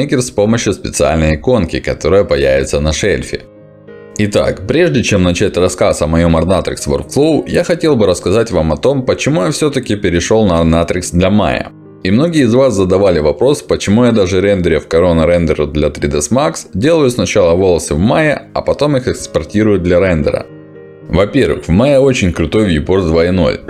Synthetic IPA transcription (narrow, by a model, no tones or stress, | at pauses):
ekʲɪrspo̞məɕːjʊspʲɪt̪sɨa̰lʲnəjɪko̞nkʲɪkɐt̪o̞ɾəjəpɐjævʲɪ̰t̪sənɐʂḛlʲfʲɪ̰ | ɪt̪a̰kpɾʲe̞ʐdʲɪt͡ɕe̞mnɐt͡ɕætʲrɐskasɐmɐjo̞mɐrnat̪ɾʲɪ̰ksvorkflˠoʊjaxɐtʲe̞lˠbɨɾəskɐzatʲvamɐt̪o̞mpət͡ɕɪmujafsʲɵt̪əkʲɪpʲɪɾʲɪʂo̞lˠnɐɐrnat̪ɾʲɪksd̪lʲɐma̰jə̰ | imno̞ɡʲɪəɪzvaszəd̪ɐvalʲɪvɐpɾo̞spət͡ɕɪmujad̪aʐɨɾɛnd̪ʲəɾʲɪfkɐɾo̞nəɾɛnd̪əɾəd̪lʲɐt̪ɾʲɪd̪ɛsmaksdʲe̞lˠəjʊsnɐt͡ɕalˠəvo̞lˠəsɨvmajɪɐ̰pɐt̪o̞mixɛkspɐrtʲiɾʊjʊd̪lʲɐɾɛnd̪ʲə̰ɾə̰ | vɐpʲe̞rvɨ̰xvmajɪo̞t͡ɕɪnʲkɾʊt̪o̞jvjɪpord̪vaɪno̞̰lʲ